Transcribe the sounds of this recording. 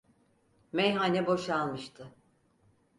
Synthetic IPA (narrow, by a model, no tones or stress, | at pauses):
mejɦanɛbo̞ʃalˠmɯʃt̪ʰɯ